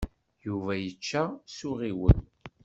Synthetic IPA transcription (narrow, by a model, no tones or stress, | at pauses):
juvæjət͡ʃːæsʊʁiwən